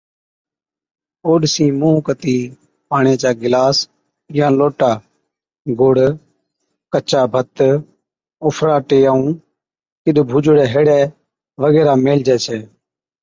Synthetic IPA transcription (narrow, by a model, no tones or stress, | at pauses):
oːɗsĩːmũːkət̪iː | paːɳẽːt͡ʃaːɡɪlaːs | jãːloːʈaː | ɡʊɽ | kət͡ʃaːbʱət̪ | oːpʰɾaːʈeːjaːũː | kɪɗbʱuːd͡ʒɽɛːɦeːɽɛː | ʋəɣɛːɾaːmeːld͡ʒɛːsʰɛː